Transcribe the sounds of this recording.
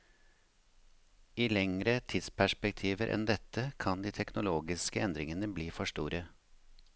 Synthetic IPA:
iːlɛŋɾət̪ʰɪd̪spʰæʂpɛk̚t̪ʰiːʋəɾʔɛ̰nd̪ɛt̪ʰəkʰɑnd̪iːt̪ʰɛknʊloːɡɪskəɛnd̪ɾɪŋənəbliːfɔʂtuːɾə

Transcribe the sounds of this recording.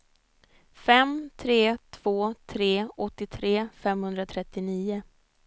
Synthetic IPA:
fɛmt̪ʰɾeːt̪ʰv̥oːt̪ʰɾeːɔt̪ːɪt̪ʰɾeːfɛmhɵnd̪ɾat̪ʰɾɛt̪ːɪniːʊ

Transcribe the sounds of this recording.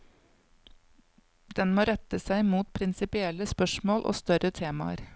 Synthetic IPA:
d̪ɛnmoːɾɛt̪əsæɪmuːt̪̚pʰɾɪnsɪpɪɛləspœʃmoːlʔo̰ːst̪œɾət̪ʰeːmɑ̰ə̰ɾ

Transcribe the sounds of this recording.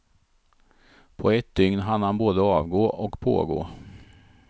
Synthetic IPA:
pʰɔɛt̪̚d̪ʏŋnɦanhanboːd̪əɑːvɡoːʔɔkpʰo̰ːɡo̰ː

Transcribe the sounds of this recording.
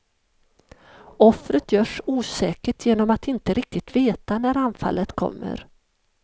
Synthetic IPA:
ɔfɾət̪jœːʂuːsɛːkəʈʰjeːnɔmat̪ɪnt̪əɾɪk̚t̪ɪt̪veːt̪anæɾanfa̰lːət̪kʰɔ̰mːə̰ɾ

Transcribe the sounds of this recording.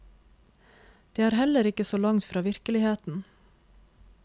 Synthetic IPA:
d̪̥eːæːɾhɛləɾɪkəsoːlɑŋt̪fɾɑːʋɪɾkəlɪheːt̪n̩

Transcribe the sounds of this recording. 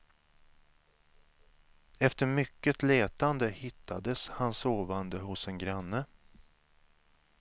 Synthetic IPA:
ɛft̪əɾmʏkːət̪leːt̪and̪əhɪt̪ʰːad̪əshansoːvand̪əhʊsɛnɡɾanːə

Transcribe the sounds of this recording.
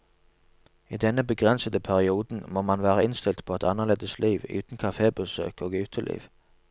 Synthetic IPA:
iːd̪ɛnəbəɡʁɛnsəd̪əpʰæʁɪuːd̪n̩moːmɑnʋæːʁəɪnst̪ɪlt̪pʰoːɛt̪ʰɑnːəʁleːd̪əsliːʋʉ̰ːt̪n̩kʰɑfeːbəsø̰ːkoːɡʉːt̪ʰəlʔḭːʋ

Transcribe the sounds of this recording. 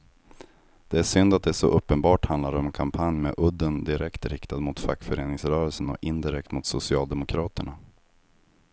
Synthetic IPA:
d̪̥ɛæʂʏnd̪at̪̚d̪ɛʂɔ̰ʔɵpːənbɑːʈhand̪laɾɔmɛnkʰampʰanjmɛ̰ʔɵd̪ːənd̪ɪɾʔɛkt̪ɾɪkt̪ad̪mʊt̪fakːfœɾeːnɪŋsɾœːɾəlsənɔ̰kɪnd̪ɪɾɛk̚t̪mʊt̪sʊsɪɑːld̪ɛmʊkʰɾɑːt̪əɳa

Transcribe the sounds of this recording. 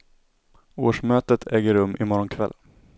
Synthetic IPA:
o̰ːʂmøːt̪ət̪ʰɛːɡəɾɵmːʔɪmɔɾɔnkʰvɛ̰lː

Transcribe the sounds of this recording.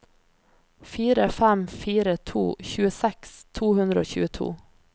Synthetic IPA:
fiːɾəfæmfiːɾət̪ʰṵːçʉːəsɛkst̪ʰuːhʉnd̪ɾəo̰ːçʉ̰ːət̪ʰṵː

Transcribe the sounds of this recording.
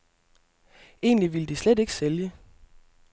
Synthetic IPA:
ʔe̝̰ːnliʋiləd̥isled̥e̝ɡ̥ə̥seljə

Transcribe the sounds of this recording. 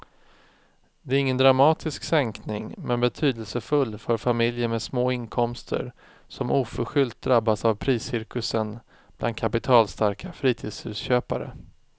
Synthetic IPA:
d̪ɛæɾɪŋːənd̪ɾamɑːt̪ʰɪsksɛŋknɪŋmʔɛnbɛt̪ʰyːd̪əlsəfɵlːfœɾfamɪljəmɛd̪smoːɪnkʰɔmst̪ʰə̰ɾ | sɔmʔuːfœɾɧʏlt̪̚d̪ɾabːasavpʰɾiːsɪɾkɵsən | b̥lʔa̰nd̪̚kʰapɪt̪ʰɑːlst̪aɾkʰafɾiːt̪ʰiːd̪shʉ̟ːsɕøːpaɾə̰

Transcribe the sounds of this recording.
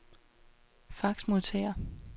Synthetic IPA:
fɑ̈ɡ̥smoðˠt͡sʰɛ̰ːɐ

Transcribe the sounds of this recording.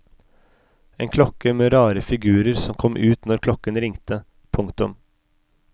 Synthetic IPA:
eːnkʰlɔkəmeːɾɑːɾəfɪɡʉːɾəɾsɔmkʰɔmʔʉːt̪nɔɾkʰlɔkənɾɪŋt̪ə | pʰʊŋkt̪ʊm

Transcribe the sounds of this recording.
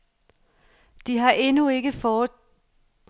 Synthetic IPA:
d̥iɦɑ̈ʔe̝nue̝ɡ̥əfɒː

